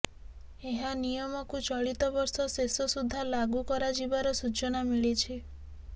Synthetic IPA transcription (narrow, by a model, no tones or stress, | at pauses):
eɦanijɔmɔkut͡ʃɔɭit̪ɔbɔɾsɔsesɔsud̪ʱːalaɡukɔɾad͡ʒibaɾɔsut͡ʃɔnamiɭit͡ʃʰi